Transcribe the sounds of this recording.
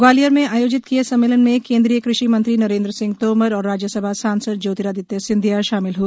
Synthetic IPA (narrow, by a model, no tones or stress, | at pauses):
ɡwaːlijəɾmẽaːjoːd͡ʒɪt̪̚kijesɐ̃mːeːlənmẽkẽːnd̪ɾijəkɾɪʃimɐ̃nt̪ɾinɐɾẽːnd̪ɾəsɪ̃ŋɡt̪oːməɾɔːɾːaːd͡ʒjəsəbʱasaːnsəd̪̚d͡ʒoːt̪iɾaːd̪ɪt̪jesɪ̃nd̪ʱjaʃaːmɪlɦu